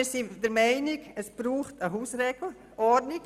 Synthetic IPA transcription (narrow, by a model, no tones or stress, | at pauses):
ɾsidəɾmaɪnɪɡəsb̥ɾuːχtəɦuːsrɛɡl̩ | ʔɔnɪk